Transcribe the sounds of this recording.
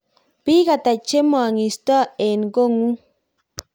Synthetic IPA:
pi˦ɣa˨t̪a˨t͡ʃe˦mo˦˨a˨ŋi˨st̪a˦e˨nɡo˦ŋu˦

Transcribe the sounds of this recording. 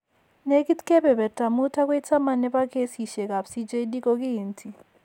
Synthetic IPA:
ne˦ki˦t̪kɛ˦bɛ˨βɛ˨ta˨mu˦tʰa˦k̬we˦i˦t͡sa˦ma˨nɛ˦pa˦kʰe˦si˨ʃɛ˨ka˨psi˦d͡ʒe˦i˦di˦ko˦kiː˦ntʰi˨

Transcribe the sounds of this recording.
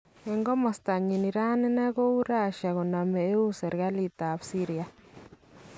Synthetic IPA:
e˨ŋɡɔ˦mɔ˨sta˨ɲi˨ni˨ɾa˦ne˦na˦ɣo˦u˦ɾa˦˨ʃa˨ɣo˨na˨me˨e˦u˦se˨ɾɣa˦li˦˨ta˨βsi˦ɾia˨

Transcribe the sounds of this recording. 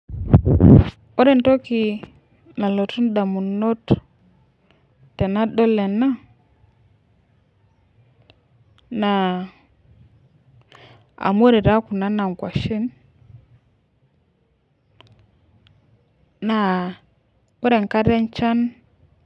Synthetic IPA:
o˦ɾe˨n˨to˦ki˨ | na˨lo˨tu˦nda˨mu˨no˦t | tɛ˨na˦do˦le˨na˦ | na˨ | a̰˨m˦o˦ɾe˨ɾa˦ku˨na˦na˨ŋ˨kwa˨ʃi˦n | na˨ | o˦ɾe˨ŋ˨ka˦ɾe˦nt͡ʃa˦n

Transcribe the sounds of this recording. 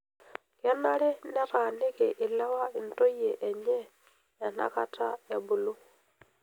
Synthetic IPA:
ka˦na˦ɾɛ˦nɛ˦ɾa˨nɪ˦kɛ˨ʔɪ˨la˦wa˦i˨nto˦jɛ˨ʔɛ˨ɲɛ˦ | ja˨n̥a̰˦ka˦tʰa̰˦ja˨bu˨lu˦

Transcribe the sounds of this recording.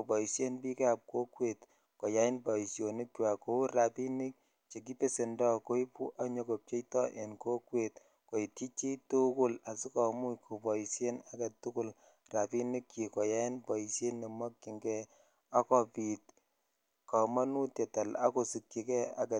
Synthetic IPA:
ko˨bɔ˨i˨sje˦npi˦ke˦a˨p̚ko˦kwe˨t | kɔ˨ja˦ɪ˦nbɔ˨i˨sjo˨nɪ˦kwa˨ko˦ɾa˨pi˦ni˦k̚ | t͡ʃe˨k̬i˦pe˦se˨ndɔ˦ko˦i˦pṵ˦ʔa˦ɲo˨ko˨p̚t͡ʃe˦jtɔ˦ʔe˨nko˦kwe˨t | ko˨i˨ti˦t͡ʃi˦tu˦kʊ˦la˨si˦kɔ˨mu˦jkʰo˨bɔ˨i˨sje˦na˦ɡa˨tːu˦kʊ˦l | ra˨pi˦ni˦kːi˨kɔ˨ja˦ɪ˦nbɔ˨i˨sje˦nːi˨ma˦kːi˨ŋɡɛ˦ | a˦kɔ˨pi˨t̚ | ka˨ma˦nu˦tɛ˨ta˨la̰˦ko˨si˨kːi˨kɛ˦a̰˦ɡa˨

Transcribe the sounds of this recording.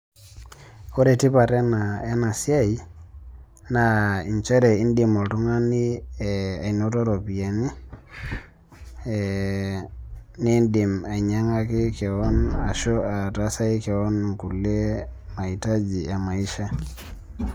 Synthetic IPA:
o˦ɾɛ˨ti˦pa˨ɾɛ˦na˨ɛ˦na˨sja˦i˦ | na˨i˨ɲt͡ʃɛ˦ɾɛ˨i˦ndi˨mɔ˨tu˦ŋa˦ni˦ | a˨i˨no˦tɔ˦ɾɔ˨pi˨ɛ˨ni˦ | ni˦ndi˨ma˨i˨ɲa˦ŋa˦ki˦kɛ˨ɔ˦na˨ʃɔ˦a˨ta˦sa˦i˦kɛ˨ɔ˦n˨ŋku˨lɛ˦ma˨i˨ta˦d͡ʒi˨a˨ma˨i˦ʃa˦

